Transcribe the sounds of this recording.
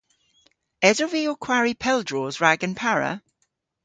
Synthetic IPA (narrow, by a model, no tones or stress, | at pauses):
ɛzəviɔkʰw̥aɹipʰɛlˠdɹɔːzɹaɡə̃npʰaɹə̰